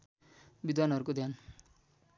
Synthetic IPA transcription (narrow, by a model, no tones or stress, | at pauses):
bid̪wanʌɾukod̪jan